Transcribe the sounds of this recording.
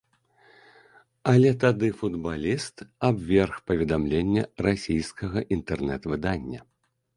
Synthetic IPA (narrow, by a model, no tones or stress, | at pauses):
ɐlʲɛt̪̬ad̪ɨfud̪balʲist̪abvʲɛrxpɐvʲɛd̪amlʲenʲːɐrasʲijskɐɣɐʔint̪ɛrnɛt̪vɨd̪anʲːɐ